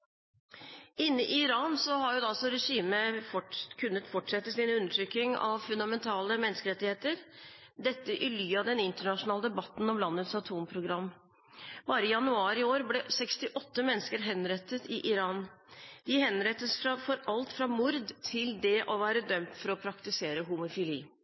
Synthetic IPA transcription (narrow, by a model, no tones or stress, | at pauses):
ɪnːɪʔɪɪɾɑːnsɔɦɑɾjʊd̪ɑsɔɾɛʂiːməfkʰʉnːət̪fɔʈʂɛt̪ːəsiːnəʉnːəʈʰɾʏkɪŋɑ̰ʋfʉnd̪ɑmɛnt̪ʰɑːləmɛnəskəɾɛt̪ːɪheːt̪əɾ | d̪ɛt̪ːəʔɪlyːɑd̪ɛnɪnt̪əɳɑʂʊnɑːləd̪ɛbɑt̪ːn̩ɔmlɑnːət̪sɑt̪ʰuːmpʰɾʊɡɾɑmː | bɑːɾəɪjɑnʉɑːɾɪoːɾblɛsɛkst̪ɪʔɔt̪ːəmɛnːskəɾɦɛnɾɛt̪ːət̪ɪʔɪɾɑːnd̪̥ɪɦɛnɾɛt̪ːəsfɾɑfɔɾɑlt̪fɾɑmʊɾd̪t̪ʰɪld̪ɛʔɔʋæːɾəd̪œmt̪fɔɾɔpʰɾɑkt̪ɪseːɾəɦʊmʊfɪlḭː